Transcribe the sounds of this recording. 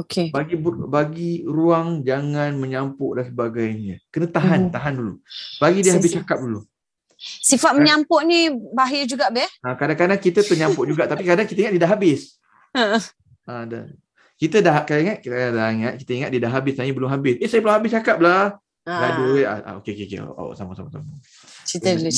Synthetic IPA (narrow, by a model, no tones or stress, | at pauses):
okebaɡibbaɡiɾuaŋd͡ʒaŋãnməɲampʊʔdansəbaɡajnakənət̪aɦant̪aɦandulṵb̥aɡidiəɦabɪst͡ʃakap̚dulu | sifat̪̚məɲampʊʔnĩbaɦjəd͡ʒuɡaʔbɛhakadaŋkadaŋkit̪ət̪əɲãmpʊʔ̚d͡ʒuɡaʔt̪apikadaŋkit̪əiŋat̪̚didaʔɦabɪs | əə | ada̰ | kit̪ədaɦaʔkadaiŋat̪̚kit̪daiŋat̪̚kit̪əiŋat̪̚didaʔɦabɪsnaɲəbəlʊmɦabɪsesajəbəlʊmɦabɪst͡ʃakap̚lah | ladua̰a̰o̰keokekḛa̰ʔa̰ʔsamasa̰masa̰ma | t͡ʃit̪a